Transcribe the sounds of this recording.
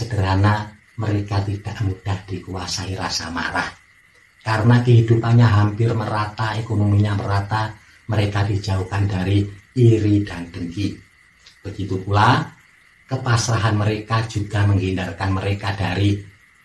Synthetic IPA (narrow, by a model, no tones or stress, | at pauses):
səd̥əɾana | məɾekat̪id̥aʔmud̥ahd̥ikuasaiɾa̰sa̰ma̰ɾa̰h | kaɾənakəɦidupanɲaɦampɪrməɾat̪aekonomiɲaməɾat̪a | məɾekadid͡ʒauhkandaɾiiɾidand̥əŋki | b̥əɡit̪upula | kəpasɾaɦanməɾekad͡ʒuɡ̥aməŋɡindarkanməɾekad̥aɾi